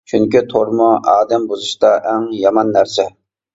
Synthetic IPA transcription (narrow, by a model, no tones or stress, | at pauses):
t͡ʃʰyŋkʲit̪ʰoɾmʊɑːd̪ɛmbuzɨʃt̪ɑʔæŋjɑmɑnːæɾsɛ